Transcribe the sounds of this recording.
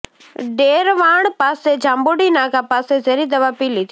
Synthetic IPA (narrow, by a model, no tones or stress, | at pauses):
ɖeːɾʋaːɳ̃paːsed͡ʒʱaːmboɽinaːkapaːsezeɾiːd̪ɐʋapiːlit̪ʰ